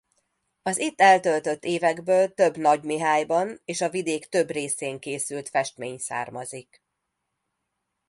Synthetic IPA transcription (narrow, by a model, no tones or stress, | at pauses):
ɒzit̪ːɛlt̪ølt̪øt̪ːeːvɛɡbøːlt̪ø̞bnɒɟmiɦaːjbɒneːʃɒvid̪eːkt̪ø̞breːseːŋkeːsylt̪fɛʃt̪meːɲsa̰ːrmɒzik